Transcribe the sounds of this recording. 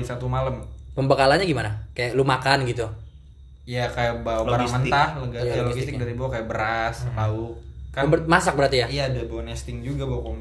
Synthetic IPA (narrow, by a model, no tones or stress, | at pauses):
isat̪umaləmpəmbakalanɲaɡimanakajaʔlumakanɡit̪u | ijakajaʔbawaaɾaŋmənt̪ahlɡlosɡist̪ɪdaɾibawakajaʔbəɾaslaʊkkːanb̪masak̚bəɾart̪ijaijadbawanɛst̪ɪŋd͡ʒuɡabawakom